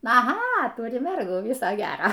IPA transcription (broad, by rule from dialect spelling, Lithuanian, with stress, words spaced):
ɐˈɣɐ ˈtʊrʲɪ ˈmʲɛrɡuː ˈʋʲɪsoː ˈɡʲæːroː